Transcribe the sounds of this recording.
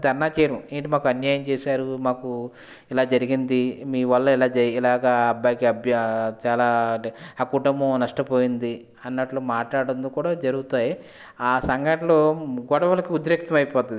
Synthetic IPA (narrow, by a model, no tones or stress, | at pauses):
d̪ʱɐɾnaːt͡ʃeːɾɐmiːɳʈimaːkuɐnjaːjɐmt͡ʃɛːsaːɾumaːku | ilaːd͡ʒɐɾiɡind̪imiːʋɐlːɐilaːd͡ʒilaːɡaːɐbːaːjkiɐbt͡ʃaːlaːaːkuʈɐmbɐnɐʂʈɐpo̞ːjind̪i | ɐnːɐʈlumaːʈlaːɽɐnd̪okuːɽaːd͡ʒɐɾuɡut̪aːji | aːsɐŋɡʱɐʈɐloɡɔɽɐʋɐlɐkiud̪ɾeːk̚t̪ɐmɐjpɔːt̪ɐd̪i